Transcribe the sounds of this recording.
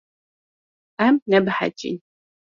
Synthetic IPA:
amnɐbħa̰t͡ʃʼḭn

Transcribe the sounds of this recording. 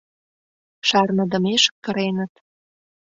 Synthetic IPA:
ʃɑrnə̆d̪ə̆meʃə̥̆k̚kə̆ɾenə̆t̪

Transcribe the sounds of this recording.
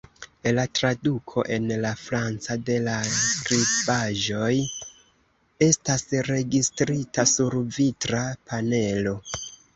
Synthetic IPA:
latɾadukʰo̞ʔe̞nlafɾant͡sade̞laskɾibaʒo̞j | e̞stasɾe̞ɡistɾitasuɾvitɾapʰane̞lo̞

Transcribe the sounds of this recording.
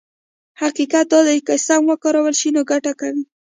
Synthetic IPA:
haqiqat̪̚d̪ɑd̪ajkəsamwəkɑɾawəlʃinoɡaʈakawi

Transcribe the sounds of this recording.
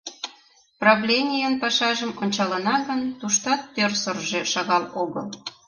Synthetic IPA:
prɑvlʲenʲijənpɑʃɑʒəmonʲt͡ɕɑlə̆nɑɣənt̪uʃt̪ɑt̪ːørsərʒeʃɑɣɑloɣəl

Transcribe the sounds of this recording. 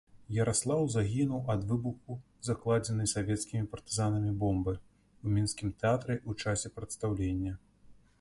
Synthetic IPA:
jɐɾʔaslˠawzaɣʲinuwʔɐd̪vɨbuxu | zaklˠad͡zʲɛnɨjsavʲɛt̪skʲimʲipɐrt̪ɨzanɐmʲibɔmbɨ | umʲinskʲimt̪ɛat̪ɾɛʔut͡ʂasʲɛpɾɐt̪st̪awlʲenʲːɐ

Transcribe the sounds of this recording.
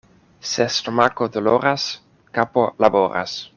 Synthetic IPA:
sest̪omakod̪oloɾas | kapolaboɾa̰s

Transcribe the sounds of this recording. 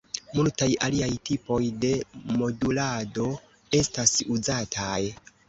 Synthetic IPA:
multajaliajtipo̞jde̞mo̞dulado̞ | e̞stasuzatʰaj

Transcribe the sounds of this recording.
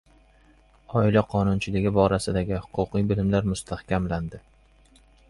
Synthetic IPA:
ɒɪlaqʰɒnʊnt͡ʃʰɪlɪɡʲɪbɒɾasɪd̪aɡʲɪhʊ̥qʰʊqijbɪlɪmlaɾmʊst̪ʰahkʲʰamland̪ɪ

